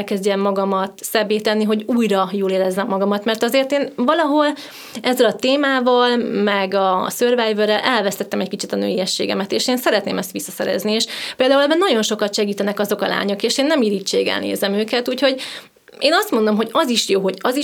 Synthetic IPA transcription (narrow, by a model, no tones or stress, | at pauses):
lkɛzɟɛmːɒɡɒmɒt̪sɛbːeːt̪ɛnːiɦo̞ɟuːjɾɒjoːleːɾɛzːɛmːɒɡɒmɒt̪mɛrt̪ɒzeːrt̪eːnvɒlɒɦo̞l | ɛzːɛlɒt̪eːmaːvɒlmɛɡɒsørvɛjvørɛlʔɛlvɛst̪ɛt̪ːɛmɛckit͡ʃit̪ɒnø̰ːijɛʃːḛːɡɛ̰mɛt̪eːʃeːnsɛɾɛt̪nḛːmɛst̪ʋisːɒsɛ̰ɾɛ̰znieːʃpeːld̪aːulɛbɛlnɒɟo̞nʃo̞kɒt̪ʃɛɡiːt̪ɛnɛkɒzo̞kɒla̰ːɲo̞keːʃeːnːɛmiːɾiːt͡ʃːḛːɡɛ̰lnḛːzɛmøːkɛt̪uːcho̞ɟ | eːnɒst̪mond̪o̞mɦo̞ɟɒziʃjoːɦo̞ɟɒzi